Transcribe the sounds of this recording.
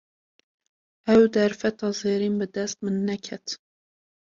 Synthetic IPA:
ɛwd̪ɛɾfɛt̪ɑːzeːɾiːnbɨd̪ɛst̪mɨnːɛkʰɛt̪

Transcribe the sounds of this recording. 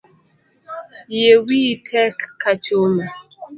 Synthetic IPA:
jewitʰɛkːat͡ʃoma

